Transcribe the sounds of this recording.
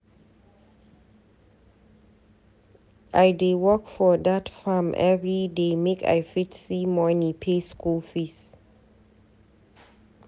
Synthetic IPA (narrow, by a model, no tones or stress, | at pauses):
ʔajdewɔkfɔdatfamʔɛ̰vɹidemeka̰jfitsimɔnĩpʰeskulfis